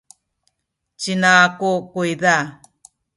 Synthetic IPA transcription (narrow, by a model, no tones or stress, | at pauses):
t͡ʃinakokujða